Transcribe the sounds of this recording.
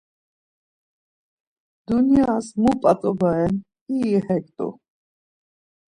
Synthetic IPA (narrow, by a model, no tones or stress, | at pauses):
d̪̥unjasmupʼat͡sʼɔbaɛn | ihɛk̚ʼt̪ʼṵ